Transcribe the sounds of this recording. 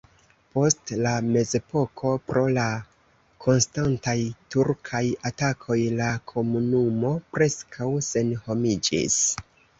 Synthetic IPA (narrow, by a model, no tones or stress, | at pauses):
po̞stlame̞ze̞pʰo̞kʰo̞pɾo̞la | kʰo̞nstantajtuɾkʰajatakʰo̞jlakʰo̞munumo̞pɾe̞skʰawse̞nho̞mid͡ʒḭs